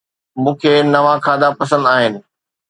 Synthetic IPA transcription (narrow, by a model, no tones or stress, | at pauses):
mũːkʰeːnɐʋãkʰaːd̪apɐsə̃nd̪aːɦɪnɪ̆